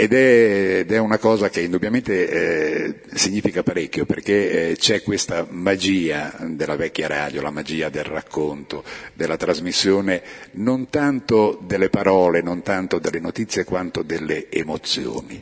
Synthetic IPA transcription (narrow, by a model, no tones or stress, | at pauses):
ed̪ɛd̪ɛunakɔːzakeind̪ubjament̪e | siɲːiːfikapaɾekːjoperkːet͡ʃɛkːwest̪amad͡ʒiːad̪elavɛkːjaɾa̰ːd̪jolamad͡ʒiːad̪elra̰kʰːont̪od̪elːat̪ɾazmisːjoːnenont̪ant̪od̪elːepaɾɔːlenont̪ant̪od̪elːenot̪it̪sːjekwant̪od̪elːeːmot̪sjo̰ːni